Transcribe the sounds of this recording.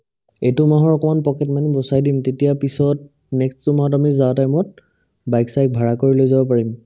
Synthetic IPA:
etʊmaɦɔɹɔkɔmanpɔkɛtmanibɔsajdimtetijapisɔt̚ | nɛkstʊmaɦɔt̬amizawtajmɔt̚ | bajksajk̚bʱaɹakoɹilojzabɔpaɹim

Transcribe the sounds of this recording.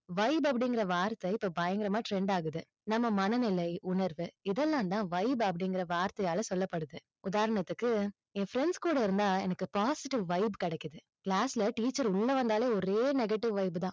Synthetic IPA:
ʋɐɪbɐp̬ːɐɽɪŋɡɪɾɐʋaːɾt̪ːɐɪpːoːbɐjɐŋɡɪɾɐmaːʈɾɛɳɖaːɣɯðɯ | nɐmːɐmɐnɐnɪlɐɪʔʊnɐɾʋɯɪðɛlːãːnt̪ãːʋɐɪbɐpːɐɽɪŋɡɪɾɐʋaːɾt̪ɐjaːlɐsɔlːɐpːɐɽɯðɯ | ʊðaːɾɐɳɐt̪ːɯkːɯ | ẽːfɾɛɳɖskuːɽɐɪɾɯnd̪aːɛnɐkːɯpaːsɪʈɪʋʋɐɪbkɐɽɛkːɯðɯ | kɭaːsɪlɐʈiːt͡ʃːɐɾʊɭːɐʋɐnd̪aːleːɔɾeːnɛɡɐʈːɪʋʋɐɪbɯt̪ãː

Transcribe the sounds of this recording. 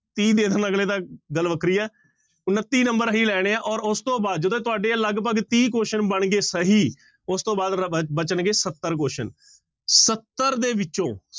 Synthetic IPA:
t̪iːd̪eːd̪əɾnəɡleːd̪aːɡəlʋəkɾiːɛː | ʊnːət̪ːiːnəmbəɾɦiːlɛːɽ̃eːãːʔɔːɾʊst̪õːbaːd̪̚d͡ʒəd̪õːt̪ʊaːɖeːləɡpəɡt̪iːk̬oːʃənbəɳɡeːsəɦiː | ʊst̪õːbaːd̪bət͡ʃənɡeːsət̪ːəɾk̬oːʃən | sət̪ːəɾd̪eːʋɪt͡ʃõː

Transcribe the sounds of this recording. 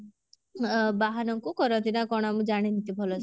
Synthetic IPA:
baɦanɔŋkukɔɾɔnt̪ʰinakɔɽ̃amũd͡ʒaɽ̃init̪ibʱɔlɔs

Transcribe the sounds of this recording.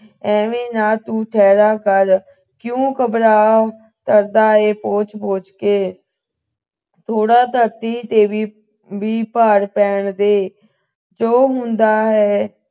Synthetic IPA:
ɛ̃ːʋẽːnaːt̪ũːʈ̪ʰɛːɾaːkəɾ | kjõːkəbɾaː | t̪əɾd̪aːeːpoːt͡ʃpoːt͡ʃkeː | t̪ʰoːɽaːt̪əɾt̪iːt̪eːʋiː | ʋiːpaːɾpɛːɳd̪eː | d͡ʒoːɦʊnd̪aːɦɛː

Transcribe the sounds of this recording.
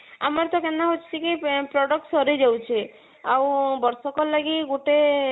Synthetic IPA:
a̰mɔɾt̪ɔkenːaɦot͡ʃʰi̥t͡ʃʰikipɾɔɖɔk̚ʈsɔɾed͡ʒawt͡ʃʰi | awbɔɾsɔkɔɾlaɡiɡuʈe

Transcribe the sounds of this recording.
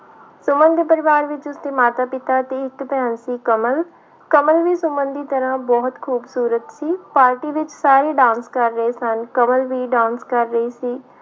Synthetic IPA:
sʊmənd̪pəɾɪʋaːɾʋɪt͡ʃʊsd̪eːmaːt̪aːpɪt̪aːt̪eːɪkbɛːnsiːkəməl | kəməlʋiːsʊmənd̪iːt̪əɾãːbɔːɦt̪kʰuːbsuːɾət̪siːpaːɾʈiːʋɪt͡ʃsaːɾeːɖãːnskəɾːəeːsənkəməlʋiːɖãːnskəɾːəiːsiː

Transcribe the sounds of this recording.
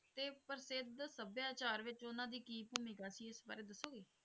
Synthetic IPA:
t̪eːpəɾsɪd̪səbjaːt͡ʃaːɾʋɪt͡ʃʊnãːd̪iːkiːpuːmĩːkaːsiːɪsba̰ːɾeːd̪əsːoːɡeː

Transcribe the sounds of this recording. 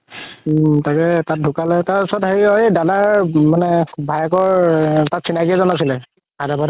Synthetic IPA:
takɛtat̚dʱukalɛtaɹpusɔɹɔtheɹiɔjdalaɹmanɛbʱajɛkɔɹtatsinakiɛzɔnas̬ilɛ | adabad

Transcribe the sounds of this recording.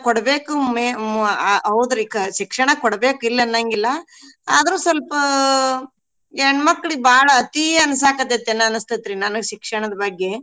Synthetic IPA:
kɔɽɐbeːkume | ɐwd̪ɐɾikʃikʂɐɳɐkɔɽɐbe̞ːkilːɐnːɐŋɡilːɐ | aːd̪ɐɾuːsɐlpɐ | eɳmɐkːɐɭibaːɭɐːt̪iɐnɐsaːkɐt̪et̪ːenːɐɐnɐst̪ɐt̪ːɾinɐnɐɡeʃikʂɐɳɐd̪ɐbɐɡːe

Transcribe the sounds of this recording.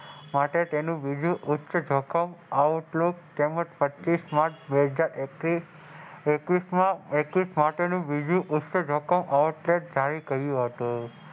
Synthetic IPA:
maʈet̪enũʋid͡ʒũʔʊtːt͡ʃəd͡ʒʱɔkəmauʈlok̚t̪eməd͡ʒpətːʃismaʈbeɦəd͡ʒaɾeki | ekʋismãekʋismaʈenũbid͡ʒũʔʊtːt͡ʃəd͡ʒʱɔkəmʔauʈleʈ̚d͡ʒʱaɾikəɦjũɦət̪ũ

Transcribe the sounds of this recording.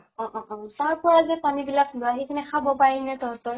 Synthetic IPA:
ɔ̃ʔɔ̃ʔɔ̃taɹpɔɹazɛpanibilakbaɦekʰanɛxʰabɔpaɹinɛtɔɦɔtɔ

